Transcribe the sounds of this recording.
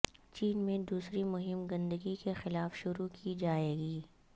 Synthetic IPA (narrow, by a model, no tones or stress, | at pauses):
t͡ʃiːnmẽd̪uːsɾimʊɦɪmɡɐ̃nd̪əɡikexɪlaːfʃʊɾukʰid͡ʒaːeːɡiː